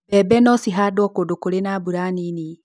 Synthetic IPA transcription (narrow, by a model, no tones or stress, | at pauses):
ɛbɛnɔsiɦadwɔkodokoɾenabuɾanini